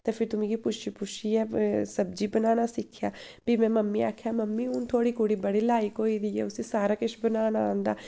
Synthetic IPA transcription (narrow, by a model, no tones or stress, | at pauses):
t̪ẽːpʰɪɾt̪ʊmẽːɡiːpʊʃiːpʊʃiːɛːsəb̚d͡ʒiːbənaːnaːsɪkʰːjaː | biːmɛ̃ːməmːĩːaːkʰjaːməmːĩːʊnt̪ʰoːɽiːkʊːɽiːbəɽiːlaːɪkɦoːid̪iːɛ̰ːʊsiːsaːɾaːkɪʃbənaːnãːnd̪aː